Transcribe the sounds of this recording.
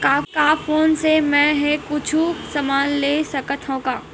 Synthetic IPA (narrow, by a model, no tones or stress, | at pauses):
kaːkaːfʰoːnsemɛ̃ɦɛ̃kʊt͡ʃʰusɐmaːnleːsɐkət̪ɦõkaː